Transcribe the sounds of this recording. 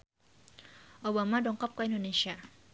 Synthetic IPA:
ʔobamadɔŋkɔp̚kaindonesia

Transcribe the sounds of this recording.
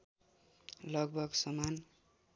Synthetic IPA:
lʌɡ̚bʱʌɡsʌman

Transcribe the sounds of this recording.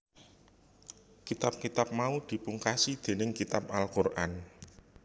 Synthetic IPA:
kit̪ap̚kit̪ap̚maud̪̥i̤puŋkasid̪̥e̤nɪŋkit̪ap̚alkʊrʔan

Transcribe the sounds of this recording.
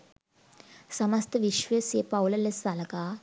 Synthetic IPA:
səməst̪əʋiɕʋəsepawləlːesalka

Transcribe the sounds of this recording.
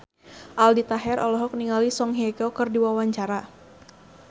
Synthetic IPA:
ʔaldit̪aɦɛɾʔɔ̰lɔɦɔk̚niŋalisɔŋɦiɛkɔkɨrdiwawaɲt͡ʃaɾa

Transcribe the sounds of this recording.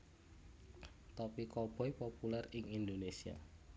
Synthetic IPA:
t̪ɔpikɔb̥ɔ̤jpopulɛrɪŋind̪onesia̰

